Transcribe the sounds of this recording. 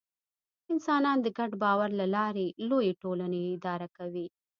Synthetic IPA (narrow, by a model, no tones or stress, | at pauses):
ɪnsɑnɑnd̪əɡaɖbɑwaɾlalɑɾelojeʈolaneɪd̪ɑɾakawi